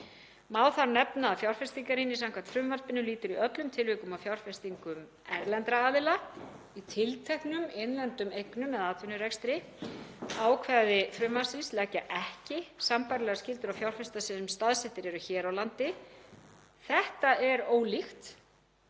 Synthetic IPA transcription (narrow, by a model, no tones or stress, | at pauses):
maːwθaɾnɛpnaːfjawr̥fɛst̪iŋkaɾɪnisaŋkvant̪fɾʏmvaɾpɪnːʏliːt̪ʏɾiœt̪lʏmt̪ʰɪlvɪːkʏmawfjawr̥fɛst̪iŋkʏm | ɛɾlɛnt̪ɾaaːðɪla | it̪ʰɪlt̪ʰɛhknʏmenlɛnt̪ʏmejknʏmːɛðaːt̪vɪnʏɾɛkst̪ɾɪ | aːwkʰvɛðɪfɾʏmvḁsɪnslɛcaʔɛhcɪsampaɾlɛɣascɪlt̪ʏɾawfjawr̥fɛst̪asɛmst̪aðsɛht̪ɪɾɛɾʏçɛːɾawlant̪ɪ | θɛht̪aɛɾoːwlixt̪